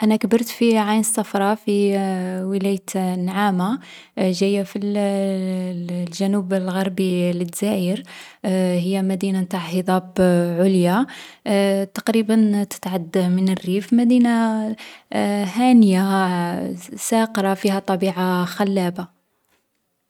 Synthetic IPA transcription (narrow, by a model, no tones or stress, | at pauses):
ʔænækbəɾˤt̪fiʕajnəsˤːɑfɾˤɑfiwəlæjt̪nʕama | ʒæjːafil | lʒænubəlɣɑɾˤbilət̪zæəɾ | həjːæmæd̪inamt̪aʕhəd̪ˤɑbʕʊlja | t̪ɑ̥qɾibənt̪ə̥t̪ʕad̪ːmənərːifmæd̪ina | hænja | sæqɾˤɑfihæt̪ˤɑbiʕaxælːæba